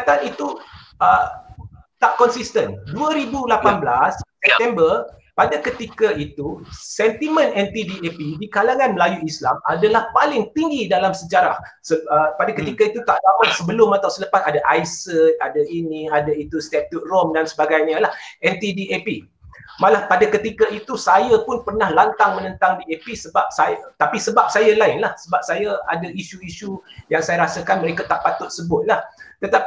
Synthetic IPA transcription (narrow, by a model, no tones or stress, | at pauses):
t̪anit̪u | ə | t̪aʔkɔnsist̪ənduəɾibulapanblasːɛp̚t̪ɛmbərpadakət̪ikait̪usɛnt̪imə̃nɛnt̪idiepidikalaŋãnməlajuislamadalahpalɪŋt̪iŋɡidalamsəd͡ʒaɾah | səəpadakət̪ikait̪ut̪aʔdapat̪̚səbəlʊmːat̪awsəlapasadaʔajsət̪̚a̰dainĩadait̪ust̪ɛp̚t̪ut̪̚rɔmdansəbaɡajɲəlahɛnt̪idiepi | mãlahpadakət̪ikait̪usajapʊnpərnahlant̪aŋmənə̃nt̪aŋdiepisəbap̚sajat̪apisəbap̚sajalaɪnlahsəbap̚sajaa̰daʔiʃuiʃujaŋsajaɾasakanməɾekat̪aʔpat̪ʊt̪̚səbʊt̪̚laht̪ət̪ap